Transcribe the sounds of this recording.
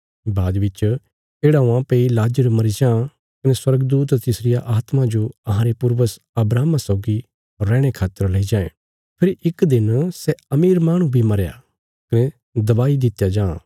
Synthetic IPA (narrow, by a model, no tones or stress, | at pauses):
baːd̪ʋɪt͡ʃ | eːɽaʊ̃ãpeːilaːd͡ʒəɾmɐɾid͡ʒãː | kɐneswɐɾɡd̪uːt̪t̪ɪsɾɪjaʔaːt̪mãd͡ʒoɐɦãɾepʊɾʋəs | ɐbɾaːmãsɔʊɡi | ɾːɛ̃ːɽ̃ekʰaːt̪ːəɾlɐid͡ʒãːḛ̃ | pʰɪɾɪkd̪ɪnsɛɐmiːɾmaːɽ̃ũbʱimɐɾeja̰ | kɐnɛ | d̪ɐbaːid̪ɪt̪jad͡ʒã̰ː